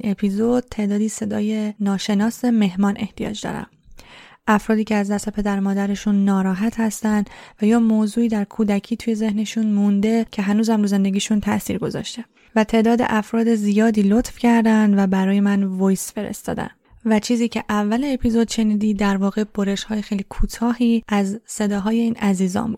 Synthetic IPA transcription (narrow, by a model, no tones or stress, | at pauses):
nʔe̞pʰiːzod̪̥̚t̪ʰe̞ːd̪ɒːd̪iːse̞d̪ɒ̰ːje̞nɒːʃe̞nɒːse̞me̞ɦmɒːnʔe̞ht̪ijɒ̰ːd͡ʒd̪ɒ̰ːɾæ̰m | ʔæfɾɒːd̪iːcʰeæzd̪æse̞pʰe̞d̪æɾmɒːd̪æɾe̞ʃunːɒːɾɒːɦæt̪hæst̪ænd̪væjɒːmoːzuːiːd̪æɾkʰuːd̪æcʰiːt̪ʰuːje̞ze̞hne̞ʃunmund̪e̞cʰe̞ɦænuːzhæmɾuːze̞nd̪e̞ɡʲiːʃunt̪ʰæʔsḭːɾɡo̞zɒ̰ːʃt̪e | væt̪ʰe̞ːʔd̪ɒːd̪e̞̰ʔæfɾɒːd̪e̞zijɒːd̪iːlot̪fcʰæɾd̪ænd̪væbæɾɒːje̞mænvojsfe̞ɾḛst̪ɒ̰ːd̪æ̰n | væt͡ʃʰiːziːcʰe̞ʔævːæleːpʰiːzo̞d̪̥ʃe̞niːd̪iːd̪æɾvɒːɣe̞b̥oɾe̞ʃhɒːjexejlikʰuːt̪ʰɒːhiːʔæzse̞d̪ɒːɦɒːje̞iːnæziːzɒ̰ːmbuːd̥̪